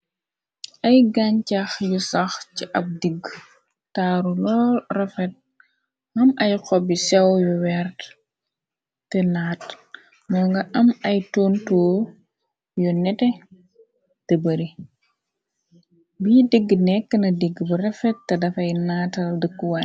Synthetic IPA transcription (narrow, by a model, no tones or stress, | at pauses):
ʔɐjɡaɲcɐxjusɐxciʔɐp̚diɡ | taːɾulɔːrɛfɛt̚ | mɐmɐjqɔbisɛwjuwɛrt | tɛnaːt | mɔŋɡɐʔɐmɐjtɔːntɔː | jɔnɛtɛ | tebɐɾi | biːdiɡːnɛkːənɐdiɡːbirɛfɛtːɐdɐfɐjnaːtɐldəkːwa